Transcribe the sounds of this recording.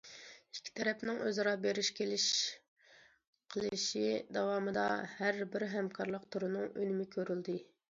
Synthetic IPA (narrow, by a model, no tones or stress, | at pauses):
i̥kʲʰːi̥t̪ʰɛɾɛpnɪŋʔøzɾɑbeɾɪʃkʲʰelɪʃ | qʰəlˠɨʃid̪ɑwɑːmɨd̪ɑ̰hæɾbɪɾɦɛmkʰɑɾlˠəqt̪ʰuɾunɨŋønɪmɪkʲʰøɾyld̪ɪ